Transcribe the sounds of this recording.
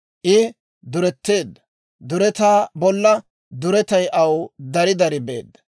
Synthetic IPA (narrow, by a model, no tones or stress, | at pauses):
ʔɪ | d̪ʊɾɛt̪ːeːd̪ːɐ | d̪ʊɾɛt̪aːbɔlːɐ | d̪ʊɾɛt̪ɐjʔɐwd̪ɐɾɪd̪ɐɾɪbe̞̰ːd̪ːɐ̥